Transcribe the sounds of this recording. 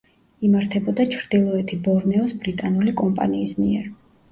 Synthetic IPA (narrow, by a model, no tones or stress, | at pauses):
imaɾt̪ʰɛbɔd̪at͡ʃʰɾd̪̥ilˠɔɛt̪ʰibɔɾnɛɔsbɾit̪ʼanulikʼɔmpʼa̰niːsmiɛɾ